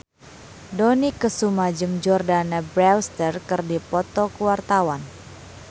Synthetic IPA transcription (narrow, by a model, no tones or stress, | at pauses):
dɔnikəsumad͡ʒəmd͡ʒɔrdanabɾɛwst̪ərkərdipɔt̪ɔkəwart̪awan